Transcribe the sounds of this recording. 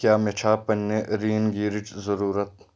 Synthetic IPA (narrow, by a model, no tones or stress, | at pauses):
kjaːmet͡ʃʰaːpɐnːeɾiːnɡiːɾɪd͡ʒzɐɾuːɾət̪̚